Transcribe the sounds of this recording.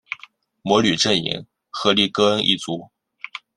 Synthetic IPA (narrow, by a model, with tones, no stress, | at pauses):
mwɔ˧˥ly˨˩ʈ͡ʂə˥˩nḭ˧˥ŋ | xɤ˧˥li˥˩kɤ˥ə˥nʔḭ˥˩t͡su˧˥